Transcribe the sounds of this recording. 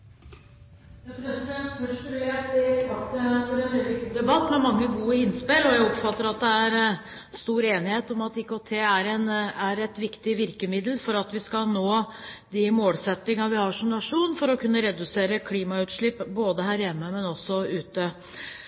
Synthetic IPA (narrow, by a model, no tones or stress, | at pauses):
d̪ɛpɾɛsɪd̪ɛt̪fœʂɾʉæsɪsɑkt̪əfɔɖɛʋɛlɪd̪ɛbɑt̪ːmɛmɑŋːəɡuːəɪnːspɪlɔjæɪɔpfɑt̪ːəɾɑt̪̚d̪ɛæɾ | st̪uːɾeːnɪheːt̪ɔmɑt̪ɪkot̪ʰeːæɾɛnæɾɛt̪ʋɪkt̪ɪʋɪɾkəmɪd̪l̩fɔɾɑt̪ʋɪskɑnoː | d̪ɪmoːlsɛt̪ːɪŋɑʋɪhɑʂɔmnɑʂuːnfɔɾɔkʰʉnːəɾɛd̪ʉseːɾəkʰliːmɑʉːt̪ʂɭɪpːboːd̪əhæːɾjɛmːəmɛnɔsːɔʉːt̪ə